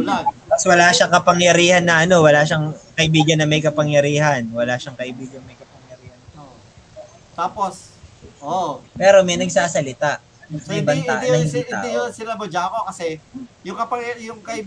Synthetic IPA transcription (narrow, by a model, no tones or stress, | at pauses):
ʊlabɐswɐlaʃakɐpɐŋjɐɾiːhɐnːɐʔɐno̞wɐlaːʃɐŋkɐʔɪbiːɡɐnːɐmɐjkɐpɐŋjɐɾiːhɐnwɐlaːʃɐŋkɐʔɪbiːɡɐnmɐjkɐpɐŋjɐɾiːhɐno | o | t̪aːposʔopɛːɾo̞mɛjnɐɡsaːsɐlɪt̪aʔ | ɐnokɐŋbɐt̪a̰ːʔɐnːɐliːt̪a̰ʔjonsɪnɐbɐd͡ʒaːkokɐsɛjʊŋkɐpɐŋjʊŋkɐʔɪ